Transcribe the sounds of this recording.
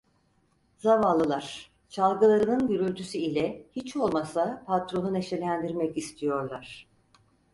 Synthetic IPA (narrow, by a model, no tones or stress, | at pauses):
zavalˠɯlˠaɾ̥ | t͡ʃʰalˠɡɯlˠaɾɯnɯnɟyɾylʲt̪ʰysyilʲɛhit͡ʃʰolˠmasapʰat̪ɾo̞nune̞ʃe̞lʲænd̪iɾmɛcist̪ʰijo̞ɾlˠaɾ̥